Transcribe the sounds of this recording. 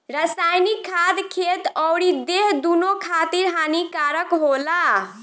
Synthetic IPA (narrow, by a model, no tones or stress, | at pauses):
ɾəsajnikʰːad̪kʰet̪ɔwɽid̪eɦd̪unokʰat̪iɾɦanikaɾəkɦola